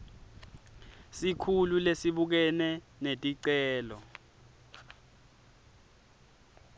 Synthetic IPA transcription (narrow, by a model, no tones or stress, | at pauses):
sikʰululesiɓuk̬ɛnɛ | netʼiǀɛːlɔ